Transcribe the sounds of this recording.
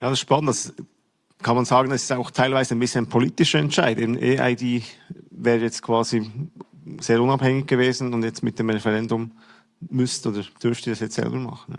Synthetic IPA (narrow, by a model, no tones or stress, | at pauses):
jaːdsɪʃpɑnəntas | kʰɑnmɑnzaːɡənɛsɪ̥staʊxtʰaɪlvaɪzəaɪnbɪsçənaɪnpʰoliːtɪʃəɛnt͡ʃa̰ɪdeːbn̩ʔḛːʔa̰ɪdiːvɛːɾəjɛt͡stkʰv̥aːzi | z̥eːɾʊnɑphɛŋɪçɡ̥əveːzn̩ʊndjɛt͡stmɪt̚d̥eːmʁɛfɛʁɛndʊm | mʏstʔoːdəd̥ʏɾftiːdɑsjɛt͡stszɛ̰lbəmɑ̰χn̩ja̰ː